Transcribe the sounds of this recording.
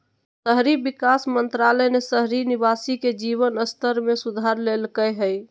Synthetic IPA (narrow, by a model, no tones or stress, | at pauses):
səɦɾibikasmənt̪ɾalənesəɦɾiniβasiked͡ʒiβənəst̪ʰəɾmesud̪ʱaɾlelkəɦəj